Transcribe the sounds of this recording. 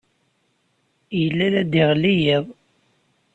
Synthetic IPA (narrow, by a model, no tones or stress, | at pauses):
jəlːæɾæd̪iʁlːijiðˤ